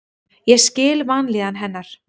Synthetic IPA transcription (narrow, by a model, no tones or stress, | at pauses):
jɛscɪːlvanlɪːðanɦɛnːaɾ̥